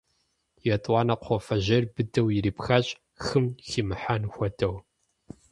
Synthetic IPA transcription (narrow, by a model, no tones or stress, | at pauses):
jɛtʼwɑːnɐqʷʰɔfɐʑɐrbɨdɐwjɪɾiːpxaɕʼ | xɨmximɨħanxʷɔdɐw